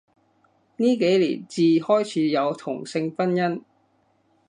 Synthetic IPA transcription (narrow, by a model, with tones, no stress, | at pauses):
niː˥ke˨˥jlḭː˨˩nt͡siː˨hɔː˥jt͡sʰiː˨˧˥jɐ˨˧wt̪ʰʊ̰˨˩ŋsɪ˧ŋfɐ˥njɐ˥n